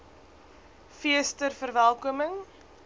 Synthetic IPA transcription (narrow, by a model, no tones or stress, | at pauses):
fiəstərfərvælˠkuəməŋ